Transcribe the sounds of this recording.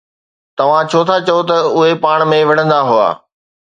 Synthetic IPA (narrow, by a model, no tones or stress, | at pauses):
t̪ɐʋ̤ãt͡ɕʰoːt̪ʰat͡ɕɐjot̪ɐʊɦepaːɽ̃mẽʋɐɽ̤ə̃nd̪aɦʊa̰ː